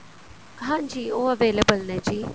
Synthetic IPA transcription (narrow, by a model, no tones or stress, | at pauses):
ɦãːnd͡ʒiːoːəʋeːləbəlnɛːd͡ʒiː